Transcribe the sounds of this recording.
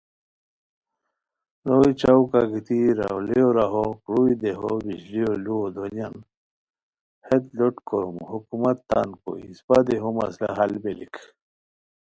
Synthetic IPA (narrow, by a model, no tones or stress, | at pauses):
noit͡ɕawkaɡit̪iɾa̰wleoɾaɦokɾuid̪eɦobiɕlioluod̪oljan | het̪loʈkoɾumhukumat̪ːanko̰ḭspad̪eɦoma̰sla̰ɦalbelḭkʰ